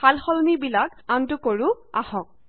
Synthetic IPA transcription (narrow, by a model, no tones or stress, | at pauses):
alxɔlnibilak | antʊkoɹʊ | a̰hɔk̚